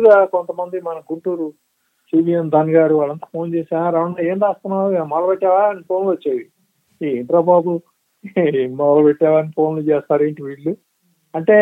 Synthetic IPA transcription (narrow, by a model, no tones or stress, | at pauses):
ɡaːkont̪ɐmɐnd̪imɐnɐɡuɳʈuːɾu | siːbiːjemd̪ʱɐnɡaːɾuʋaːɭːɐnt̪aːpʰo̞ːnt͡ʃeːsaːnɾaːɐnːaːeːnd̪aːst̪unːaːɾumɐlɐbeʈːaːʋanipʰo̞ːnlʋɐt͡ʃːaːd̪i | iːind̪ɾaːbaːbu | mɐlɐpeʈːaːʋɐːnipʰo̞ːnlut͡ʃeːst̪aːɾeːɳʈiʋiːɭːu | ɐɳʈe̞ː